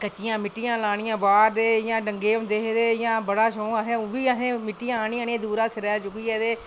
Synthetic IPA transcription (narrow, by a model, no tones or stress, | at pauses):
kət͡ʃːɪjãːmɪʈːɪjãːlaːɽɪjãːbaːɾd̪eːjãːɖəŋɡeːmd̪eːɦd̪eːjãːbəɽaːʃõːəsẽːbiːəsẽːmɪʈːijãːaɳiːaːniãːd̪uːɾãːsɪɾɛːt͡ʃʊkiːɦɛːd̪eː